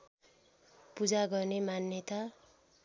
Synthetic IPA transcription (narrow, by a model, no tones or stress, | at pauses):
pud͡zaɡʌrnemanjʌt̪a